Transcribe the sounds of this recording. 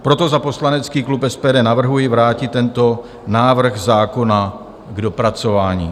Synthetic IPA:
pɾo̞t̪o̞zapo̞slanɛt͡skiːklupɛspɛːdɛːnavr̩ɦujɪvɾaːcɪt̪ːɛnt̪o̞ | naːvr̩ɣzaːko̞na | ɡdo̞pɾat͡so̞vaːɲḭː

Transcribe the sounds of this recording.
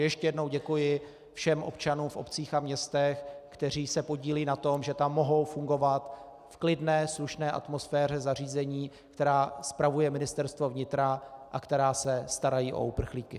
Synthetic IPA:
jɛʃcɛjɛdno̞wɟɛkujɪ | fʃɛmʔo̞̰pt͡ʃanuːmfo̞̰pt͡siːxamɲɛst̪ɛxkt̪ɛr̝iːsɛpo̞ɟiːliːnat̪o̞mʒɛt̪amːo̞ɦo̞wfuŋɡo̞vat̪ | fklɪdnɛːsluʃnɛːʔa̰t̪mo̞sfɛːr̝ɛzar̝iːzɛɲiː | kt̪ɛɾaːspɾavujɛmɪnɪst̪ɛɾst̪vo̞vɲɪt̪ɾaʔakt̪ɛɾaːsɛst̪aɾajiːʔo̞̰ʔupr̩xliːkɪ

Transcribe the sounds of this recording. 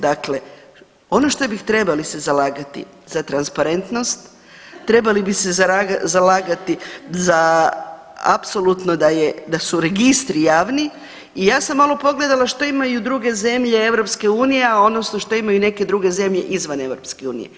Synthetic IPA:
d̪akle̞ | o̞no̞ʃt̪o̞bixt̪ɾe̞balisezalaːɡat̪ḭ | zat̪ɾanspaɾe̞nt̪no̞st̪ː | ɾe̞balibixsezaaɡazalaːɡat̪iza | a̰pso̞lˠut̪nod̪ajed̪asuɾe̞ɡist̪ɾijaːʋni | ijaːsamːalo̞po̞ɡle̞d̪alˠaʃt̪o̞imajud̪ɾuɡe̞ze̞mʎe̞e̞ʋɾo̞pske̞uːnijeao̞nosnoʃt̪o̞imajune̞ke̞d̪ɾuːɡe̞ze̞mʎe̞̰ʔizʋane̞ʋɾo̞p̪skeuːnḭjḛ

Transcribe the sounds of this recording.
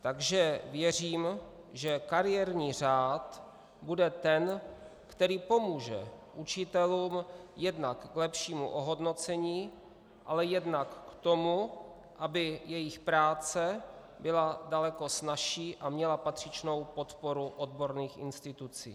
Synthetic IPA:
t̪aɡʒɛvjɛr̝iːm | ʒɛkaɾɪjɛɾɲiːr̝aːt̪ | budɛt̪ɛnkt̪ɛɾiːpo̞muːʒɛ̰ʔut͡ʃɪt̪ɛluːmjɛdnakːlɛpʃiːmṵʔoɦo̞dno̞t͡sɛɲiː | ʔa̰lɛjɛdnakːt̪o̞mu | ʔabɪjɛjɪxpɾaːt͡sɛ | bɪladalɛko̞snaʃiːʔamɲɛlapat̪r̝̥ɪt͡ʃno̞wpo̞t̪po̞ɾuʔo̞d̪bo̞ɾniːxʔɪ̰nst̪ɪt̪ut͡sḭː

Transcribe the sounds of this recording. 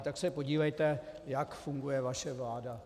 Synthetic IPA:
t̪aksɛpo̞ɟiːvɛjt̪ɛjakfuŋɡujɛvaʃɛvlaːda

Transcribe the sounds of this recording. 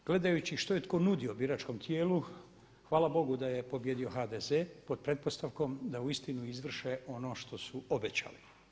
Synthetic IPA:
ɡ̥le̞d̪ajut͡ɕiʃt̪ojet̪konud̪io̞biɾat͡ʃko̞mt̪ʰjeːlu | xʋaːlˠabo̞ɡud̪aje̞po̞bje̞d̪io̞xaːd̪ezepo̞d̪̚pɾe̞t̪̚po̞st̪aʋko̞md̪auist̪inuizʋr̩ʃeo̞no̞ːʃt̪o̞suobet͡ɕa̰li

